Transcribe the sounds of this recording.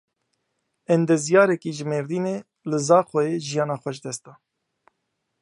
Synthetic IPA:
ɛnd̪ɛzijɑːɾɛkiːʒɨmeːɾd̪iːneː | lɨzɑːxɛeːʒijɑːnɑːxʷɛʃd̪ɛst̪ɑː

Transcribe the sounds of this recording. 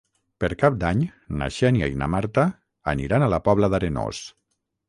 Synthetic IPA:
peɾkap̚d̪aɲna̰ʃenia̰ina̰maɾt̪a̰ː | nḭɾanalapɔβləðaɾeno̰s

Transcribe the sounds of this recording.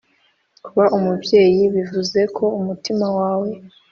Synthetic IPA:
kuβaʔumubje̞ːjiβivuze̞kʰo̞umutimawaːwe̞

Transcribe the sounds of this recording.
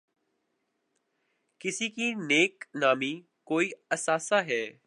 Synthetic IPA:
kɪsiːkiːneːknaːmiː | koːiːɐsaːsaːɦɛː

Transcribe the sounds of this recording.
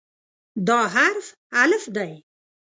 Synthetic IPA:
d̪ɑːɦaɾf | aləfd̪aj

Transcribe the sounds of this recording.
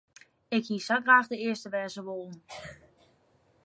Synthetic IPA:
ɪkhiːsaɡraːχdəɪəstəʋɛːzəʋolˠən̩

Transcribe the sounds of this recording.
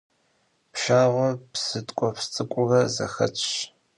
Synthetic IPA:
pʃaːʁʷɔpsɨtʼkʷʼɔpst͡sʼɨkʷʼʊʁɐzɐ̰xɐ̰t͡ʃʰʼ

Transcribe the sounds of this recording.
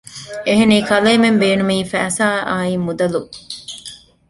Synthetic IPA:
eɦeniːkɐleːmembeːnumiːfæːsaːʔaːimːud̪ɐlu

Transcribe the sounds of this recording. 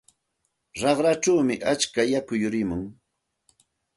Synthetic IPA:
ɾɑχɾaʈ͡ʂawmɪʔat͡ʃkajakʊjʊɾɪmʊŋ

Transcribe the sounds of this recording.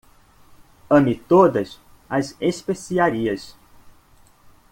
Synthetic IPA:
ɐ̃mit̪od̪ɐs | ɐzeʃpesiaɾiɐs

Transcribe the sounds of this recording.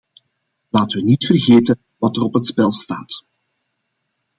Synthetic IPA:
laːtəʋənitfərɣeːtə | ʋɑtərɔpɦətspɛlˠstaːt

